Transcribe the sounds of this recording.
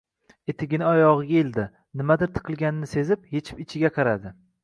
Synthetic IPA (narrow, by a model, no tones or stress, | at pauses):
et̪ʰɪɡʲɪnɪɒjɒʁɨɡʲaeld̪ɪ | nɪmad̪ɪɾt̪ʰɨ̥qʰɨlˠɡʲanɪnɪse̞zɪp̚je̞t͡ʃʰɪ̥pɪt͡ʃʰɪɡʲaqʰɑɾad̪ɪ